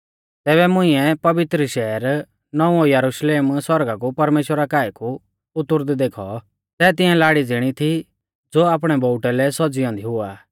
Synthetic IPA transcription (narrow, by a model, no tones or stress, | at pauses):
t̪ɛːβɛmʊ̃ɪ̃ɛpɐʋɪt̪ɾəʃɛːɾ | nɔũɔjɐɾuʃleːmswɔɾɡak̬upɐɾmeːʃwəɾakaːɛku | ʊt̪ːʊɾd̪d̪eːkʰɔ̰ | sɛːt̪ɪ̃ɛ̃laːɽid͡zɪɽ̃it̪ʰi | d͡zoːaːpɽ̃ɛbɔʊʈɛlɛsɔd͡zijɔ̃nd̪iɦʊa̰ː